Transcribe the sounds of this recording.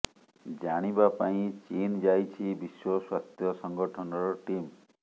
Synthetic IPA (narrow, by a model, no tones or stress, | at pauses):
d͡ʒaɽ̃ibapaĩt͡ʃind͡ʒajt͡ʃʰibiswɔswat̪jɔsɔŋɡɔʈʰɔnɔɾɔʈim